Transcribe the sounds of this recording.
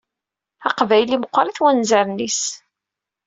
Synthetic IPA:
ɑqvæjlimqʷːɾiθwænzæɾnis

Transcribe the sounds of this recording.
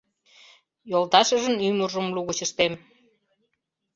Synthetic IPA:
jolt̪ɑʃəʒənymurʒəmluɣut͡ɕə̆ʃt̪em

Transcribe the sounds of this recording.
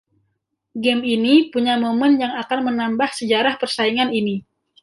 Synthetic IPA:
ɡɛminipuɲamomənjaŋakanmənambahsəd͡ʒaɾahpərsaiŋanini

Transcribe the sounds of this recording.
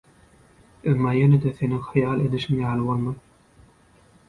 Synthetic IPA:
emːɑːjened̪eθe̞niŋxɑjɑːlˠed̪iʃiŋjɑːlˠɯβolˠmɑn

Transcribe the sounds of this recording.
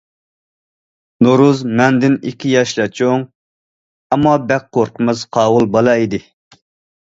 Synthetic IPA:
noɾuzmɛnd̪ɪnikʲʰijɑʃlˠɛt͡ʃʰoŋ | ɑmːɑbɛk̚qoɾqʰəmɨzqʰɑːwʊlˠbɑlˠɑid̪ɪ

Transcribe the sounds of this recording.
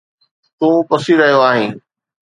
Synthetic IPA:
t̪ũːpɐsiɾɐɦjoaːɦĩː

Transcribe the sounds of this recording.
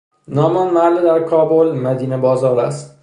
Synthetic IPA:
nɒmanmalɪd̪aɾkʰɒbulˠmad̪inabɒzɒɾa̰s

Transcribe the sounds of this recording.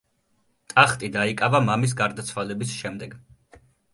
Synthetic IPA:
t̪ʼaχt̪ʼid̪aikʼavamamis̬ɡaɾd̪at̪sʰwalɛbisʃɛmd̪ɛɡ

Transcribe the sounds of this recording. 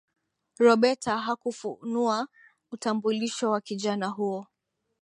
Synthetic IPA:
ɾɔɓɛtaɦakufṵnua | utambuliʃɔwakiʄanaɦuɔ

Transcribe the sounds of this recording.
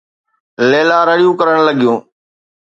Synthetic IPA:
leːlaːɾəɽijũːkəɾəɽ̃ləɠijũː

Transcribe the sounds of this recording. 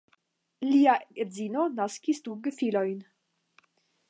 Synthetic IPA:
liaezinonaskʲisd̪uɡəfilojn

